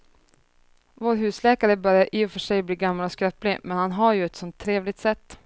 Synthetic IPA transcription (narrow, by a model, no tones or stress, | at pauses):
voːɾɦʉ̟ːslɛːkaɾəbœɾjaɾʔɪʊfœʂɛjbliːɡamːalɔskɾɛplɪmɛnhanɦaɾjɵɛt̪sɔnt̪ʰːɾeːvlɪɡ̚t̪sɛt̪ː